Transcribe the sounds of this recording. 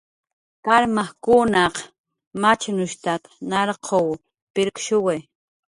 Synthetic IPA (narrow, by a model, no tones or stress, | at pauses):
kaɾmaχkʊnɑq | mat͡ʃnʊʃt̪at̪nɑɾqʰow | pɪɾkʃʊwaj